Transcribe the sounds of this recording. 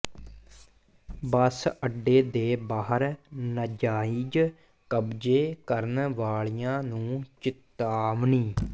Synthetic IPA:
bəsəɖːeːd̪eːbaːɦəɾnəd͡ʒaːiːd͡ʒ | kəbd͡ʒeːkəɾənʋaːɭijãːnũːt͡ʃɪt̪aːʋniː

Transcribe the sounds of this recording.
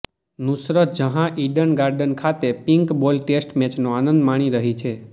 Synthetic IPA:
nusɾət̪d͡ʒəɦãʔiɖənɡaɾɖənkʰat̪epiŋkbolʈesʈmɛt͡ʃnoanənd̪maɽ̃iɾəɦit͡ʃʰe

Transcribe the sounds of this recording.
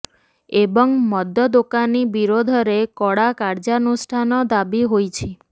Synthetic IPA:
ebɔŋmɔd̪ʱjɔd̪okanibiɾod̪ʱɔɾekɔɽakaɾd͡ʒanusʈʰanɔd̪abiɦojt͡ʃʰi

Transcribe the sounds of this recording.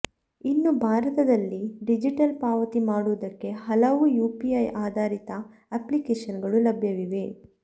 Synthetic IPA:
inːubʱaːɾɐt̪ɐd̪ɐlːiɖid͡ʒiʈɐlpaːʋɐt̪imaːɽuʋɐd̪ɐkːe̞ɦɐlɐʋujuːpiɐjaːd̪ʱaːɾit̪ɐ | ɐplikeːʂɐnɡɐɭulɐbʱjɐʋiʋe̞

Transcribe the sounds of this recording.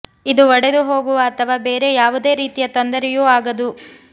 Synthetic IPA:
id̪uɔɽed̪uɦo̞ːɡuʋɐːt̪ʰɐʋaːbeːɾe̞jaːʋud̪e̞ːɾiːt̪ijɐt̪ɔnd̪ɐɾɛjuːaːɡɐd̪u

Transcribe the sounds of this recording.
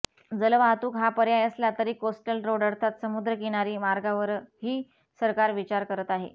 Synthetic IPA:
d͡zələʋat̪uːkɦapəɾjajəslat̪əɾiːkosʈəlɾoɽəɽt̪ʰat̪səmud̪ɾəkiɽ̃aɾiːmaɾɡaʋəɾhiː | səɾkaɾʋit͡ɕaɾkəɾət̪aɦḛ

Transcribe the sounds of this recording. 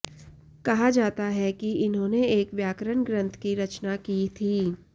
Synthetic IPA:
kɐɦad͡ʒaːt̪aɦɛkiɪnɦõːneeːkʋjaːkɾənɡɾə̃nt̪ʰkiɾɐt͡ʃnakit̪ʰiː

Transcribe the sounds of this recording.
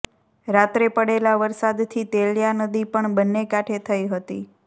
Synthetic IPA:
ɾat̪ɾepəɽelaʋəɾsad̪t̪ʰit̪eljanəd̪ipəɳbənːekaʈʰet̪ʰəiɦət̪ḭ

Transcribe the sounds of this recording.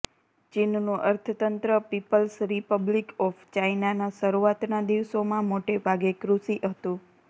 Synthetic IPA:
t͡ʃinnũʔəɾt̪ʰət̪ənt̪ɾəpipəlsɾipəblikɔfʰt͡ʃainanasəɾuat̪nad̪iʋsomãmoʈebʱaɡekɾusiʔɦət̪ũ

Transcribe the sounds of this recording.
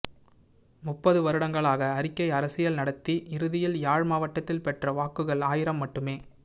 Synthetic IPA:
mʊpːɐðɯʋɐɾɯɽɐŋɡɐɭaːɣɐːɾɪkːɐɪɐɾɐsɪjɐlnɐɽɐt̪ːiʔɪɾɯðɪjɪljaːɻmaːʋɐʈːɐt̪ːɪlpɛʈrɐʋaːkːɯɣɐɭaːjɪɾɐmːɐʈːɯmeː

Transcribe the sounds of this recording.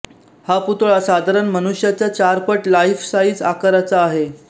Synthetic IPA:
haput̪ɭasad̪ʱaɾənmənuɕjat͡ɕjat͡ɕaɾpəʈlaifsaiːt͡sakəɾat͡saːɦe

